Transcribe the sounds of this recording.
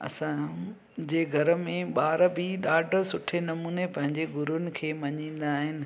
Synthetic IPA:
ɐ̰sã | d͡ʑeːɡʱɐɾə̆mẽɓaːɾəbʱɪɗaːɖsʊʈʰenɐmuːnepɐ̃ɦɪ̃ɲd͡ʑeɡʱʊɾʊnɪ̆kʰeːmɐɲĩːn̆d̪aːɦɪnɪ̆

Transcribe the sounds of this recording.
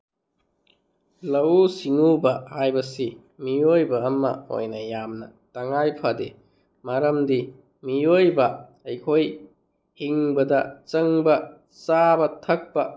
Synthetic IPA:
lɐwsiŋubɐajbɐsi | mijojbɐːmːɐ̰o̰jnɐjamnɐtɐŋajpʰɐde | maɾɐmdi | mijojbɐ | ɐjkʰoj | hiŋbɐdɐt͡ʃɐŋbɐ | sabɐtʰɐk̚pɐ

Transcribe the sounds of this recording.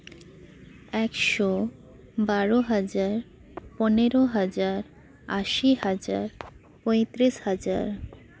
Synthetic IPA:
ɛkʃɔ | baɾoɦad͡ʑaɾ | pɔneɾoɦad͡ʑaɾ | aʃihad͡ʑa̰ɾ | pɔjt̪ɾiʃhad͡ʑa̰ɾ

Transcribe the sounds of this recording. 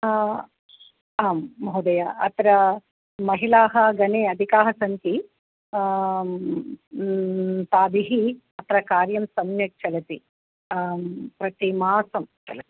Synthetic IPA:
aːmːɐɦud̪ɐjaɐt̪ɾɐ | mɐɦilaːɦɐɡɐneːɐd̪ʱikaːɦɐsɐnt̪i | t̪aːd̪iɦi | ɐt̪ɾɐkaːɾjɐmsɐmnjɐʈ̚t͡ʃʰɐlɐt̪i | pɾɐt̪imaːsɐmt͡ʃɐ̰lɐt̪i̥

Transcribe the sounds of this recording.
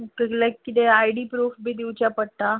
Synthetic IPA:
kkləkːit̪eajɽiːpɾuːfbʱiːd̪iwt͡ɕjapəɽʈ̪a

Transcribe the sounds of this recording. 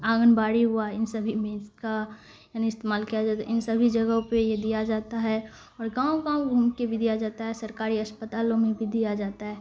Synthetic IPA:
aːɡənbaːɽiɦʊaɪnsəbʱimẽka | jaːniɪst̪eːmaːlkijad͡ʒaːt̪a̰ʔɪnsəbʱid͡ʒɐɡõpejed̪ijad͡ʒaːt̪aɦɛ | ɔːɾɡãːwõkãɡʱumkebʱid̪ijad͡ʒaːt̪aɦɛsɐɾkaːɾiɐspət̪aːlõmẽbʱid̪ijad͡ʒaːt̪aɦɛː

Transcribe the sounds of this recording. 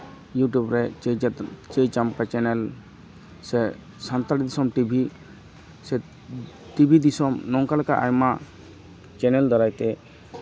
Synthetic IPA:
juʈjubɾɛ | t͡ʃejt͡ʃamkat͡ʃɛnɛl | sɛ | sant̪alid̪isɔmʈibʱi | sɛ | ʈibʱid̪isɔmnɔŋkalɛkaʔajma | t͡ʃɛnɛld̪ɔɾajt̪ɛ

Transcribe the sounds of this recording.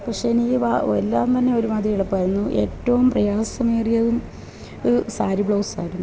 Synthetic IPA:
pɐkʂe̞niʋaelːaːnt̪ɐnːe̞o̞ɾumaːd̪ɾijiɭɐpːɐɾunːuʔe̞ːtːɐʋumprɐjaːsɐmeːrijɐðum | saːɾibɭoːwsa̰ːjiɽunː

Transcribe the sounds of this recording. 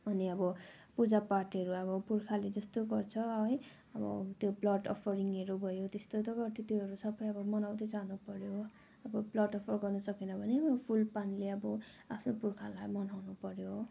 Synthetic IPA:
bʱʌneʌbʌpud͡zapaʈʌɾuʌbʌpurkʰaled͡zʌst̪oɡʌrt͡sʰʌɦʌj | ʌbʌ̰t̪joblʌʈʌ̰pʰʌɾiŋʌɾubʱʌjot̪est̪ot̪ʌɡʌt̪ʰit̪oɦʌɾusʌbʌjʌbʌmʌnawd̪ʌjd͡zanupʌɾjo | ʌbʌblʌɖʌpʰʌrɡʌrnʌsʌkinʌbʱʌneʌbpʰulpanleʌbʌ | apʰnopurkʰalajmʌnawnupʌɾjo

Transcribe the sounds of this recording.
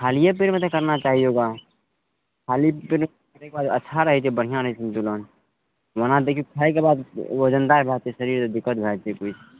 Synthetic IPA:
kʰaːlijepɪɾmet̪ekəɾnat͡ʃaːɦioɡa | kʰaːlipɪɾe | ɾekebaːd̪ətːʃʰaɾəɦɛt͡ʃʰebəɽ̤ijãɾəɦisʰənt̪ulon | ʋənãd̪ekʰjukʰaekebaːd̪od͡ʒənd̪aɾbʱat͡ʃeʃəɾiːɾt̪od̪ɪkːət̪̚ɡʱat͡ʃʰekut͡ʃʰ

